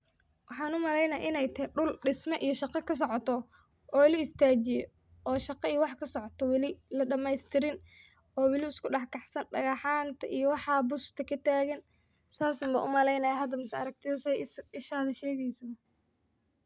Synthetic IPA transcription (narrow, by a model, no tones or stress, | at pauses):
wɑħɑːnʊmɐlɛjnɐ̰ʔɪnɛjt̪ʰɛɖʊlɖɪsmɐʔijɔʃɑqɑkʰɐs̬ɔʕɔt̪ʰɔ | ɔːlɐɪst̪ʰaːt͡ʃɪjɔ̰ | ɔːʃɑqɑijɞwɑħkʰɐsɔʕɔt̪ʰɔwɑlɪlɐɖɐmɛjst̪ʰɪɾɪn | ɔːwɪlɪʊskʰʊɖɑħkʰɑħsɐnɖɐɣɑħaːnt̪ʰɐʔijɔwɑħɑːbʊst̪ʰɐkʰɐt̪ʰaːɣɐn | t̪ʰaːsɐmbɐʔʊmɐlɛjnɐjaɦɐd̪ɐmɪsɐɐɾɐk̚t̪ʰɪðɐsɛɪʃaːðɐʃɛːɣɛjsɔ